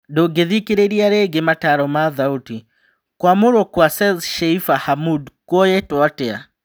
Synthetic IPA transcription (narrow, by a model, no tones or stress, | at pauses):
doɡeðikeɾeɾiaɾeɡemataɾɔmaðauti | kwamoɾɔkwasɛzʃɛifahamudkwɔjetɔatɛa̰